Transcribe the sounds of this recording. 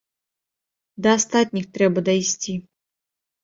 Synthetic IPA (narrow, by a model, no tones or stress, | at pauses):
d̪ɐːst̪at̪̚ʲnʲixt̪ɾɛbɐd̪ɐjsʲt͡sʲi